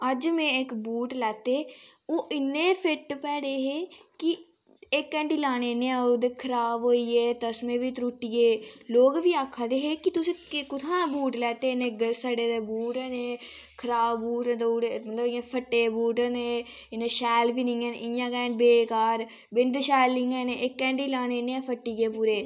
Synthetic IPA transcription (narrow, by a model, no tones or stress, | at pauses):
əd͡ʒmẽːɪkbuːʈlɛːt̪eː | oːʔɪnːẽːpʰɪʈpɛːɽeːɦeː | kɪ | ɪkːə̃ɳɖiːlaːñeːnẽːod̪eːkʰəɾaːbɦoːiːeːt̪əsmẽːʋiːt̪ɾuːʈːieː | loːɡʋiːaːkʰːaːd̪eːɦeːkɪt̪ʊsĩːkʊt̪ʰãːbuːʈlɛːt̪eːnẽːɡəsaɖeːd̪eːbuːʈɛːneː | kʰəɾaːbbuːʈːt̪ːɽemət̪ləbɪjãːpʰəʈːeːbuːʈəneː | ɪnẽːʃɛːlbiːnɪ̃ŋɡɛːn̰ʔɪjãːkɛːnbeːkaːɾ | bɪnd̪ʃɛːlːɪ̃ŋɡɛːneːʔɪkːɛ̃ːɳɖiːlaːneːneːãːpʰəʈːiːɡeːpuːɾeː